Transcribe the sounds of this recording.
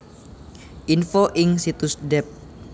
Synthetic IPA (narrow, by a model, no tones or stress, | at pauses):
ʔinfoʔɪŋsit̪ʊsdɛp̚